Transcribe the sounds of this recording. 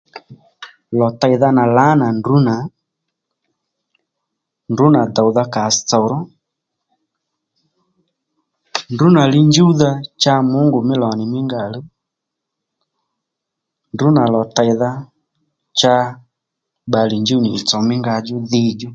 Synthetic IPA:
lɔ˨ta˨jða˧na˨la˨˦na˨ndu˨˦na˨ | ndu˨˦na˨da˨wða˦˧ka˨stɔ˨ɾɔ˦ | ndu˨˦na˨lɪ˦ɲd͡ʒu˦ða˦t͡ʃa˦mʊ˨˦ŋɡʊ˨mɪ˦lɔ˨nɪ˨mɪ˦ŋɡa˨lu˦ | ndu˨˦na˨lɔ˨ta˨jða˦ | t͡ʃa˦ | ɓa˨li˨ɲd͡ʒu˦nɪː˨t͡sɔ˨mɪ˦ŋɡa˧d͡ʒʊ˦ðɪ˦d͡ʒɔ˦

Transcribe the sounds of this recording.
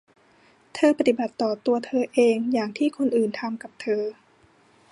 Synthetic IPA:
t̪ʰɤː˧pa˧˩t̪i˨˩ba˨˩t̪ːɔː˨˩t̪u˧ɐt̪ʰɤː˧ʔeː˧ŋjaː˨˩ŋt̪ʰiː˥˩kʰo˧nʔɯː˨˩nt̪ʰa˧mka˨˩p̚t̪ʰɤː˧

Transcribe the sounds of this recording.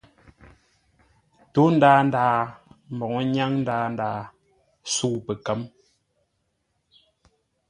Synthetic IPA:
to˨˦n̩˦daː˦n˨daː˨˦m˨bɔ˨ŋɔ˦ɲa˦ŋn̩˦daː˨˦n˨daː˨ | su˦˨pɛ˨kə˦m

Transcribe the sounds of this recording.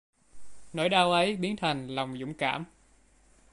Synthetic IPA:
nɔ̰˧˥˦jɗaː˧wʔə˨˦jɓi˨˦ənt̪ʰa˨˩jŋ̟lɔ˨˩wŋ͡mzʊ̰˧˥ŋ͡mka̰ː˧˩m

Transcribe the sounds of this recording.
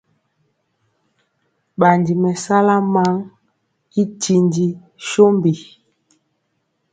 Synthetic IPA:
ɓa˨ndi˨mɛ˨sa˦la˦ma˦ŋ | i˦ti˨ndi˨ | ʃo˦mbi˨

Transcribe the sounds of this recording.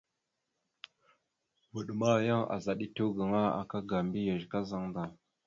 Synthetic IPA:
wə˨ɗma˦˨ja˦ŋa̰˨za˨ɗi˦tu˦ɡə˨ŋa˦a̰˨ka˦ɡa˨mbi˦ja˨ʒka˦za˦ŋda˨

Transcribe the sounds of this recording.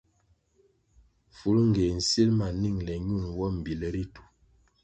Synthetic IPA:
fu˨˦lŋ˨ɡe˨n̩˨si˦lma˨ni˦˨ŋlɛ˨ɲu˦˨nwɔ˦m̩˨bi˨lɛ˦ɾi˦tu̥˨

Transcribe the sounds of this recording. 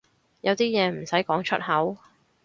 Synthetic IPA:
jɐ˨˧wt̪iː˥jɛː˨˧m̩˨˩sɐ˨˥jkɔː˨˥ŋt͡ʃʰɵ̰˥t̚hɐ˨˥w

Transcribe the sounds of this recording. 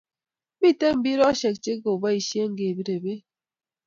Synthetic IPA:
bi˦te˦m̩˦bi˦ɾɔ˦ʃe˨k̚t͡ʃe˦ɡo˨ba˦i˨ʃje˦ŋ˦ɡe˨bi˦ɾe˨be˦

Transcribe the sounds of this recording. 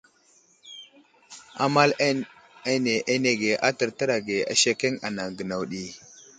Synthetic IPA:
a̰˦ma˦l | e˦ne˨ʔe˦ne˨ɡe˨ʔa˦tə˨ɾtə˦ɾa˨ɡe˨a̰˨ʃe˦ke˦ŋa̰˨na˨ŋɡə˨na˨wɗi˨

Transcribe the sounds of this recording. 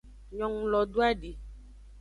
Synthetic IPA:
ɲɔ̃˨ŋũ˨˦lɔ˨ɖo˦a˦ɖe˨

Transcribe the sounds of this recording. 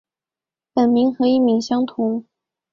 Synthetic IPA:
pə˨˩nmi˧˥ŋxɤ˧˥i˥˩mi˧˥ŋɕjɑ˥ŋt̪ʰʊ˧˥ŋ

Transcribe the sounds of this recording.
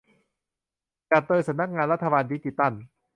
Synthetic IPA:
t͡ɕa˨˩t̪ːɤː˧sa˨˦mna˥k̚ŋaː˧nɾa˦˥t̪ʰːa˧baː˧ndiː˦˥t͡ɕiː˧˩t̪a˥˩n

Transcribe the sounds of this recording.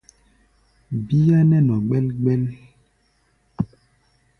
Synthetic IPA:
bi˦ja˦nɛ˦nɔ˨ɡ͡bɛ˦lɡ͡bɛ˦l

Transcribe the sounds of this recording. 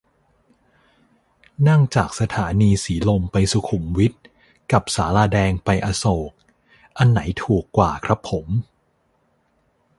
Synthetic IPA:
na˥˩ŋt͡ɕaː˨˩k̚sa˧t̪ʰaː˩˦niː˧siː˩˦lo˧mpa˧jsu˧˦kʰu˨˩˦mwi˦˥t̪̚ | ka˨˩p̚saː˩˦laː˧dɛː˧ŋpa˧jʔa˧soː˨˩k̚ | ʔa˧nːa˩˦jt̪ʰuː˨˩kːwaː˨˩kʰɾa˦˥pʰːo˩˦m

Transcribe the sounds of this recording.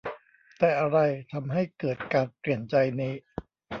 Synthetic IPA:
t̪ɛː˨˩ʔa˧ɾa˧jt̪ʰa˧mɦa˥˩jkɤː˨˩t̪̚kaː˧npɾi˨˩ənt͡ɕa˧jniː˦˥˩

